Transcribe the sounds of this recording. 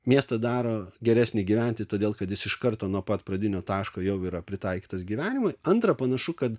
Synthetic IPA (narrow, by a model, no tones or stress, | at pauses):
mʲiɛst̪ɐd̪ɑːɾoːɡʲɛɾʲæːsʲnʲɪɡʲiʋʲæˑnʲt̪ʲɪt̪oːdʲeːlˠkɐt̪jɪsɪʃkɐrt̪oːnuɔpɐt̪pɾɐd̪ʲɪnʲoːt̪ɑːʃkoːjɛʊiːɾɐpʲɾʲɪt̪ɑɪkʲiːt̪ɐsɡʲiʋʲæːnʲɪmʊɪɐnt̪ɾɐpɐnɐʃʊkɐt̪